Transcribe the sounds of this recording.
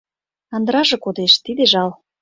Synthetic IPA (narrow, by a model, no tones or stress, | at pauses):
ɑnd̪əɾɑʒĕkod̪eʃt̪id̪eʒɑl